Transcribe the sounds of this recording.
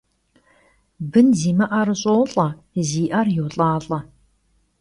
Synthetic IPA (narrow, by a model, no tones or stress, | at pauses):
bɨnziːmɐʔɐɾɨɕʼoːɬʼɐ | ziːʔɐrjowɬʼaːɬʼɐ